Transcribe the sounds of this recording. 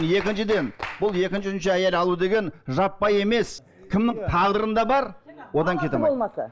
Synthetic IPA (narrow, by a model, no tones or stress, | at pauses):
nje̞kʲɪnʃɪd̪e̞nbʊlˠje̞kʲɪnʃɪnʃɪæjelɑlˠud̪e̞ɡʲe̞nʒɑpːɑje̞me̞s | kʲʰɪmnɪŋt̪ʰɑʁd̪əɾənd̪ɑbɑɾwo̞d̪ɑŋkʲʰe̞t̪em